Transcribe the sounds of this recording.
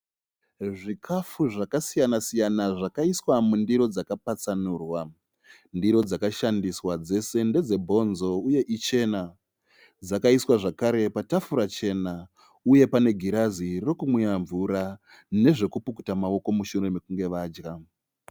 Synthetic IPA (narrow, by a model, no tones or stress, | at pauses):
ʐikʰafuʐakasijanasijanaʐakaiswamundiɾo̞d͡zakapat͡sanuːrwa | ndiɾo̞d͡zakaʃandiswad͡ze̞se̞nde̞d͡ze̞bʱo̞nzo̞uje̞ʔit͡ʃe̞na | d͡zakaiswaʐakaɾe̞patafuɾat͡ʃe̞na | uje̞pane̞ɡʱiɾaziro̞kumwejaɱvuɾa | ne̞ʐe̞kupuku̥tamao̞ko̞muʃure̞mekuŋɡe̞ʋaːd͡ʒɡa